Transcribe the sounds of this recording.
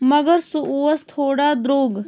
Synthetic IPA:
mɐɡəɾsuʔuʋɐst̪ʰoːɽaːd̪ɾoːɡ

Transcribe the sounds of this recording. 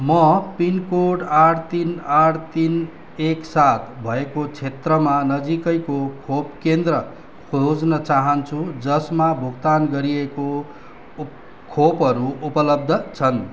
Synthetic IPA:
mʌpinkoɖaʈʰt̪inaʈʰt̪in | eksat̪ʰbʱʌekot͡sʰet̪rʌmanʌd͡zikʌjkokʰopkend̪rʌ | kʰod͡znʌt͡saɦʌnt͡sʰud͡zʌsmabʱukt̪anɡʌɾieko | kʰopɦʌɾuʔupʌlʌb̚d̪ʱʌt͡sʰʌn

